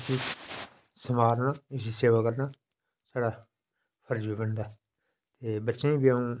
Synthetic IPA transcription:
si | səmaːɾnaːɪs̬iseːʋaːkəɾnaː | saːɽaː | pʰəɾd͡ʒiːbəɳd̪aː | t̪eːbətːʃẽːbiaũː

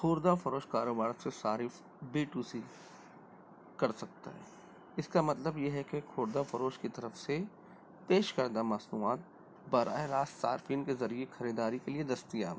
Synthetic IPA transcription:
kʰoːɾd̪afɐɾoːʃkaːɾoːbaːɾsesaːɾɪf | biːʈuːsi | kɐɾsɐk̚t̪a̰ɦɛ̰ː | ɪskamɐt̪ləbjeɦɛkexʰoːɾd̪afɐɾoːʃkit̪ɐɾəfse | peːʃkɐɾd̪amɐsnuaːt̪̚ | bɐɾʔa̰ːeɾaːssaːɾfiːnkezɐɾiexʰɐɾiːd̪aːɾikelied̪ɐst̪ijaːm

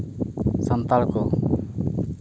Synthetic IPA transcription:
sənt̪alkɔ

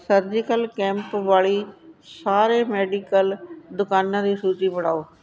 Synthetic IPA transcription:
səɾd͡ʒɪkəlkɛ̃ːmpʋaːɭiːsaːɾeːmeːɖiːkəld̪ʊkaːnãːd̪iːsuːt͡ʃiːbəɽaːoː

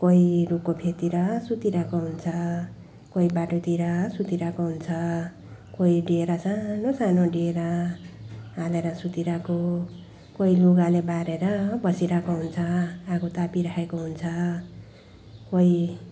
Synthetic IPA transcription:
kojɾupkopʰet̪iɾʌsut̪iɾakoɦunt͡sʰʌ | koibaʈot̪iɾʌsut̪iɾakoɦunt͡sʰʌ | koiɖeeɾʌsanosanoɖeeɾʌ | ɦaleɾʌsut̪iɾako | koiluɡalebaɾeɾʌbʌsiɾakoɦunt͡sʰʌakʰot̪apiɾaɦekoɦunt͡sʰʌ | koi

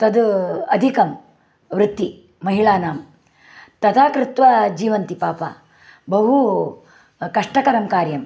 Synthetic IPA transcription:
t̪ɐd̪ɐd̪ʱikɐm | ʋɾɪt̪ːi | mɐɦiɭaːnaːm | t̪ɐd̪aːkɾɪt̪ʋad͡ʒiːʋɐnt̪ipaːpa̰ː | bɐɦu | kɐʂʈɐkɐɾɐmkaːɾjɐm

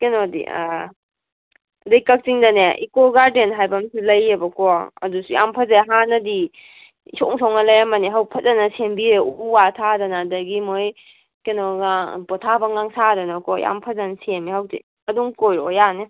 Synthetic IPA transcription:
kenodḭa̰ | dɐjkɐk̚t͡ʃiŋdɐneʔḭkɔɡaɾdenɦajbɐmsilɐjebɐkɔɐ̰dusuja̰mpʰɐzaɦanɐdi | isɔŋsɔŋnalɐjamɐniɦawpʰɐzanɐsembieuwatʰadɐnadɐɡimoj | kenɔɡa̰pɔtʰabaŋaŋsadɐnakɔja̰mpʰɐzansemihawtḭ | ɐduŋkojɾɔjane

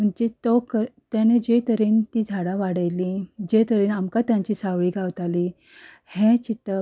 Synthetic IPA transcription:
m̤əɳd͡ʑet̪ɔkət̪janed͡ʑet̪əɾiːnt̪iːd͡zʱaɽaʋaɽajlid͡ʑet̪əɾiːnamkat̪jãɲt͡ɕiːsaʋɭiːɡʱaʋt̪ali | hẽt͡ɕit̪ːə

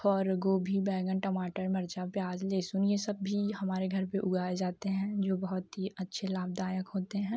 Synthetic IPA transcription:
ɔːɾɡoːbʱibɛːɡənʈəmaːʈəɾmɐɾd͡ʒapjaːd͡ʒleːsʊnjesɐbːihɐmaːɾeɡʱɐɾpeʔʊɡaːed͡ʒaːt̪eɦɛ̃ːd͡ʒoːbɐɦʊt̪ɦiɐtːʃʰelaːb̚d̪aːjəkɦoːt̪eɦɛ̃ː

